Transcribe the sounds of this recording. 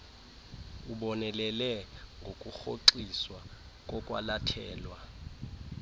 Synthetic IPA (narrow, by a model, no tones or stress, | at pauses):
uɓɔnɛlɛlɛŋɡʱokʼuxoǀiswa | kʼɔkʼwa̰latʰɛːlwa